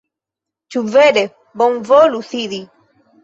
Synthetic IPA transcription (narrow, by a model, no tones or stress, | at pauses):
t͡ʃuvɛɗɛ | bɔmvɔluθiɾi